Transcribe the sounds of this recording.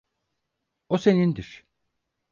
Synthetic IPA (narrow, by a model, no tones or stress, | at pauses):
osenind̪iɾ̥